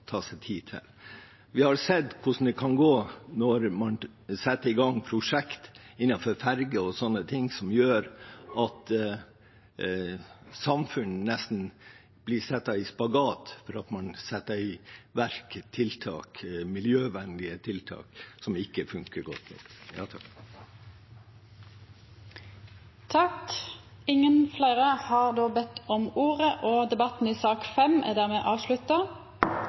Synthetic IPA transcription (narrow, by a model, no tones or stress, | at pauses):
t̪ʰɑːsɛɪt̪ʰiːt̪ʰɪ̰l | ʋɪhɑɾsɛd̪kʰʊʂn̩d̪ɛkʰɑnɡoːnɔɾmɑn | sɛt̪ːəɾɪɡɑŋpʰɾʊʂɛkt̪ɪnːɑfɔɾfæɾɡəɔsɔnːət̪ʰɪŋsɔmjøːɾɑt̪ | sɑmfʉnənɛst̪n | b̥lɪsɛt̪ːɑɪspɑɡɑːt̪fɔɾɑt̪mɑnsɛt̪ːəɪʋæɾkt̪ʰɪlt̪ʰɑ̰ːkmɪljøːʋɛnd̪ɪət̪ʰɪlt̪ʰɑ̰ːksɔmɪkːəfʉŋkəɾɡɔt̪nɔ̰kjɑ̰ːt̪ʰɑk | t̪ʰɑk | ɪŋːənflæɪʁəhɑʁd̪oːbɛt̪ːɔmuːʁəʔoːd̪ɛbɑt̪n̩iːsɑːkfɛmæ̰d̪æʁmeːʔɑːʋʂlʉt̪ɑ